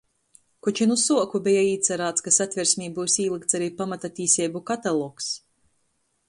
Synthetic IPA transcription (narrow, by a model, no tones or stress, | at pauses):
kut͡ʃinusuɔkubʲɛjaiːt̪sɛɾaːt̪skasat̪ʲvʲiɾsʲmʲiːbuːsʲiːlˠɨk̚t̪saɾiːpamat̪at̪ʲiːsʲɛːbukat̪alˠɔːks